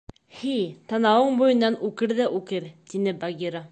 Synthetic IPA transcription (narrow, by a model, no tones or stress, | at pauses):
hit̪ɑnɑwɤɴbujɤ̆nːɑnʉkɘɾðæʔʉkɘɾt̪inɘbaɡʲiɾa